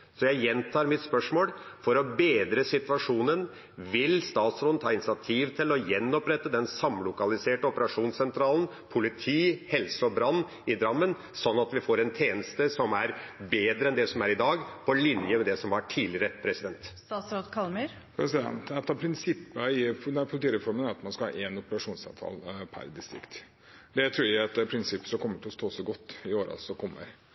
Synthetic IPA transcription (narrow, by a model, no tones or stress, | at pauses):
sɔjæɪjɛnt̪ʰɑːɾmɪt̪spœʂmoːlfɔɾɔbeːd̪ɾəsɪt̪ʋɑʂuːnən | ʋɪlst̪ɑːt̪sɾoːd̪n̩t̪ʰɑːɪnɪsɪɑt̪ʰiːʋt̪ʰɪlɔjɛnːɔpɾɛt̪ːəd̪ɛnsɑmlʊkɑlɪseːʈəɔpəɾɑʂuːnsɛnt̪ʰɾɑːlən̩ | pʰʊlɪt̪ʰiːhɛlsəɔbɾɑnː | ɪd̪ɾɑmːən | sɔnːɑt̪ʋɪfoːɾɛnt̪ʰeːnəst̪əsɔmæɾbeːd̪ɾəɛnd̪ɛsɔmæɾɪd̪ɑːɡpʰɔlɪnjəmɛd̪ɛsɔmɑʈʰiːlɪɾəpʰɾɛsɪd̪ɛnt̪ː | sod̪kʰɑlm | pʰɾɛsɪd̪ɛnt̪ɛt̪ːɑpʰɾɪnsɪpːəɪfd̪ɛpʰʊlt̪iːɾɛfɔɾmənæɾɑt̪mɑnskɑhɑ̰ːʔɛnʊpəɾɑʂuːnsɑ̰ʋt̪ʰɑ̰ːlpʰæ̰ɾd̪ɪst̪ɾɪ̰kt̪ | d̪ɛt̪ʰɾuːɾæɛt̪pʰɾɪnsɪpːsɔkʰɔmːəʈʰɪlɔst̪oːsɔɡɔt̪ːɪoːɾɑ̰lsɔkʰɔmːə̰ɾ